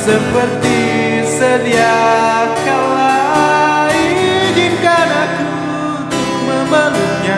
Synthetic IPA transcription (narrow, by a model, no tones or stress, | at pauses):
səpərt̪i | səd̪iakalaaid͡ʒinkanaku | t̪ʊk̚məməluɲa